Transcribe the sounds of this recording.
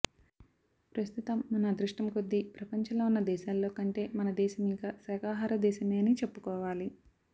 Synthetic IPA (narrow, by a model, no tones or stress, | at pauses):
pɾɐst̪ut̪ɐmːɐnɐd̪ɾuʂʈɐmkod̪ːipɾɐpɐɲt͡ʃɐloːunːɐd̪ɛːʃaːlːo̞ːkɐɳʈe̞ːmɐnɐd̪ɛːʃɐmikɐsɛːkaːɦaːɾɐd̪ɛːʃɐmeːɐnit͡ʃepːukɔːʋaːli